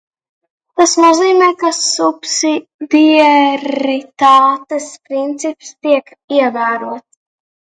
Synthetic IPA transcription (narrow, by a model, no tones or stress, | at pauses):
t̪asnuziːmɛjkasupsid̪iɾit̪aːt̪espɾint̪sipst̪iɛk | iɛvæːɾuɔt̪s